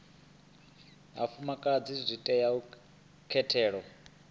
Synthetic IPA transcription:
ɦa̰fumakʼad͡zizʷitʼɛjau | kʰɛtʰɛːɺɔ

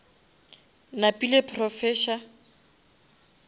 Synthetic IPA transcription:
napʼilepʰrɔfɛːʃa

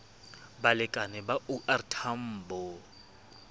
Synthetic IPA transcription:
balɪkʼanɛbaʔuʔartʰam̩ːbɔ

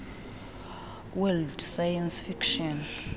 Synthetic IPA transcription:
wɛldsajansfikʃɔn

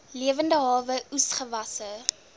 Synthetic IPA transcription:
liəvəndəɦɑːvəusχəvɐsə

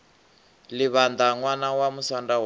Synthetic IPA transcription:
liβand̪aŋwanawamusandaw

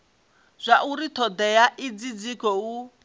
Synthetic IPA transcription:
z̥ʷaʔuɾit̪ʰɔd̪ɛjaʔid͡zid͡zikɔu

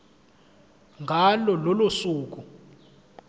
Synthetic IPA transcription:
ŋɡʱalɔlɔlosuːk̬ʼu

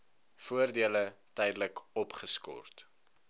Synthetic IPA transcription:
fuərdiələtɛjdələkɔpχəskɔ̰rt

